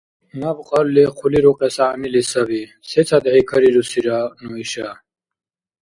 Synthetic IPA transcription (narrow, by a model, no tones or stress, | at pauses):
nabqalleqʰuliɾuqesaːmilisɐvi | set͡sʰad̪ʕikʰəɾiɾusiɾanuiɕa